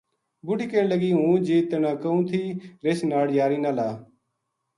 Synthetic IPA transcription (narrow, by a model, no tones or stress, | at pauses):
bʊɖʱiːkeːɳləɡiːɦũːd͡ʒeːt̪ənãːkəũːt̪ʰiːɾeːsnaːɽjaːɾiːnaːlaː